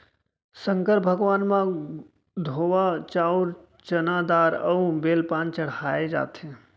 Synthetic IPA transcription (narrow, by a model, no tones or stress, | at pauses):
sə̃ŋkəɾbʱɐɡʋaːnmã | d̪ʱoːʋat͡ʃaːʊɾ | t͡ʃɐnaːd̪aːɾɐũbeːlpãːnt͡ʃɐɽ̤aːed͡ʒa̰ːt̪ẽː